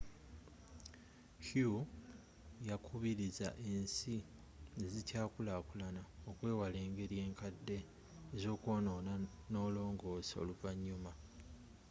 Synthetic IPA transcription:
hju | jakʰuβiɾiza̰ʔeːnsi | nezicaːkulakulanao̞kwe̞ːwale̞ːŋɡe̞ɾje̞ːŋkadːe̞ː | zo̞ːkwo̞ːno̞ːna | no̞ːlo̞ːŋɡo̞ːso̞̰luvaɲːuma

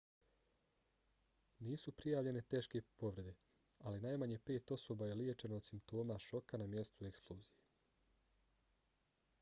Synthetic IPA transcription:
niːsupɾijaːʋʎe̞ne̞t̪e̞ːʃke̞po̞ʋɾe̞d̪e̞ | alinajmaɲepe̞ːt̪o̞so̞baje̞lie̞t͡ʃe̞noːd̪simpt̪o̞ːmaʃo̞kanamje̞st̪ue̞ksplˠuːzije

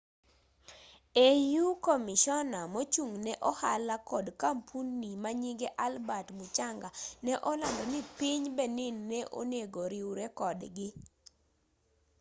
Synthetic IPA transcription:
ejukomiʃɔnamot͡ʃuŋnɛʔɔhalakɔdkampʰunːimaɲiɡɛʔalbatmut͡ʃaŋɡanɛʔɔlandɔnipiɲbɛnɪnːɛʔo̰neɡoɾiwɾɛkɔdɡɪ

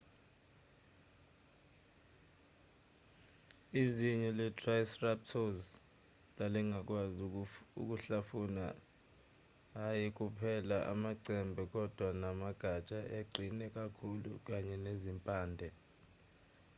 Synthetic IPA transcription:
iziɲɛlɛtʰʼrajsrap̚tʰɔz | laliŋak̬ʼwazṵk̬ʼuɬafuna̰ | jik̬ʼupʰɛlaʔa̰maǀɛmbʱɛk̬ʼɔd̥ʱwanamaɡ̥ʱat͡ʃʼaʔeɡ͡ǀʱinɛk̬ʼakʰulṵk̬aɲɛnezimpʼaːndʱɛ

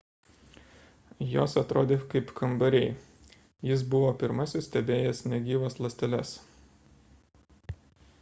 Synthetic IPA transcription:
joːsɐt̪ɾoːd̪ʲeːkɐɪpkʰɐmbɐɾʲɛɪ | jɪsbʊʋoːpʲɪɾmɐsʲɪssʲt̪ʲɛbʲeːjɛsnʲɛɡʲiːʋoːslˠɐsʲt̪ʲɛlʲɛs

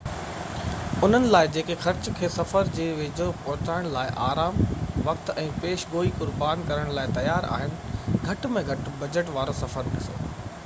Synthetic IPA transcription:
ʊn̤ənɪ̆laːɪd͡ʑeːkexɐɾt͡ɕkʰeːsɐfəɾd͡ʑeːʋeːd͡ʑopɐɦʊt͡ɕaːɪɽ̃laːɪʔaːɾaːmʋɐk̚t̪ɛ̃ːpeːʃɡoːikʊɾbaːnkɐɾəɽ̃laːɪt̪ɐjaːɾa̰ːɦɪnɪ̆ɡʱɐʈmẽɡʱɐʈbɐd͡ʑəʈʋaːɾosɐfəɾɗɪso̰ː

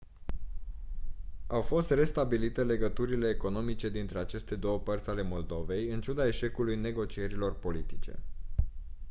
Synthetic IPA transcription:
awfo̞st̪re̞st̪abilit̪e̞le̞ɡət̪uɾile̞ːko̞no̞mit͡ʃe̞d̪int̪ɾe̞at͡ʃe̞st̪e̞d̪o̞wəpərt̪sʲale̞mo̞ld̪o̞ve̞jɨnt͡ʃud̪ae̞ʃe̞kulujne̞ɡo̞t͡ʃije̞ɾilo̞rpo̞lit̪it͡ʃe̞̰

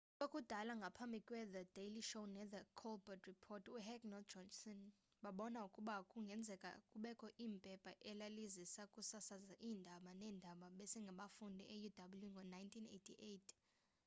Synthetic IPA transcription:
ɓokʼud̥ʱalaŋɡʱapʰambʱikʼwɛðəd̥eliʃownɛðəkʰɔlbɔtʰripʰɔtʰuhɛkʼnɔd͡ʒɔnsɔn | ɓaɓɔnaukʼuɓakʼuŋɡʱɛnd͡zʱɛkʼa̰kʼuɓɛkʰʼɔʔiːmpʼɛpʼaʔɛlalizisakʼusasazaʔiːndʱaɓanɛːndʱaɓaɓɛsɛŋɡʱaɓafundʱiʔɛjudʱaɓuljuŋɡʱɔnajntʰinḛtʰiʔejtʰ

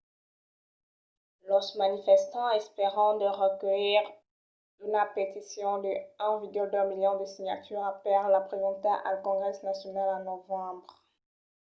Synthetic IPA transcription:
lɔsmanifɛst̪ɑ̃ɛspeʁɑ̃d̪əʁəkəiʁ | ynapet̪isjɔ̃d̪əɛ̃viɡyld̪ɛ̃miljɔ̃d̪əsiɲa̰t̪yːʁapɛʁlapχezɑ̃t̪aʔa̰lkɔ̃ɡʁɛsnasjɔnalãnɔvɑ̃bʁ

